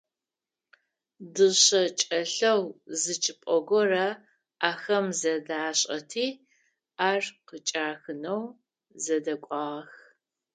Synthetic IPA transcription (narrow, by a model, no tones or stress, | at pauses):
dɨɕʼɐt͡ʃʼɐɬɐwzɨt͡ʃʼɪpʼɔɡʷɔrɐ | aːxɐmzɐdaːɕʼɐ̰tʰiː | aːrqət͡ʃʼaːxɨnɐw | zɐdɐkʷʼɑːʁɐx